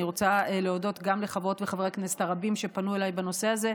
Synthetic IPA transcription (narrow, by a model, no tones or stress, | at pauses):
iʁot͡saeleodotɡamleχavʁo̞tveχavʁeknese̥taʁabimʃe̞panue̞lajbano̞se̞aze̞